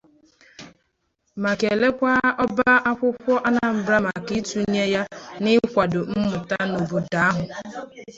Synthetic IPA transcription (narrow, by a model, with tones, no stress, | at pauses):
ma˨ke˨le˦kʷa˦ɔ˦ba˦ʔa˦kʷʊ˦kʷɔ˦ʔa˦na˨m̩˨bɾa˦ma˨ki˦tu˨˦ɲe˦ja˦nɪ˦kʷa˨dʊ˨m̩˦mʊ˨ta˦no˨bu˨da˨˦a˦ɦʊ˨